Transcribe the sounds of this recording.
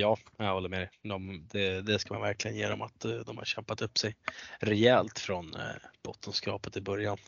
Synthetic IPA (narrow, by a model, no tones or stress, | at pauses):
jɑːajhɔlːəɾmɛd̪ɛd̪ɔmd̪ɛd̪ɛskamanvæɾklɪɡənjeːɾɔ̰ma̰t̪d̪ɔmha̰ɾɕɛmpat̪ɵpːsɛjɾɛɛlt̪fɾɔnb̥ɔt̪ʰːənskɑ̰ːpət̪ɪbœɾjan